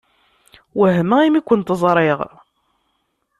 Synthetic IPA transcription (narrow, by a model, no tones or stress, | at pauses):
wəɦməimikʷːənt̪əzˤɾˤɪʁ